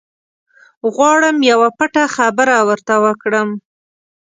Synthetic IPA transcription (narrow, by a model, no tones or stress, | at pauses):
ɣwɑɽəmjawapaʈaxabəɾawəɾt̪awəkɽəm